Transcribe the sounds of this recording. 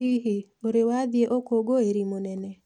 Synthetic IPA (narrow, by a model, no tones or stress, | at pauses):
iɦioɾewaðieʔokoɡoeɾimonɛnɛ